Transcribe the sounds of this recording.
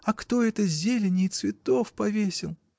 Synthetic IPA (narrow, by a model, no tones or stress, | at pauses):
ɐkt̪o̞ɛt̪əzʲelʲɪnʲɪjt̪svʲɪt̪o̞fpɐvʲesʲɪlˠ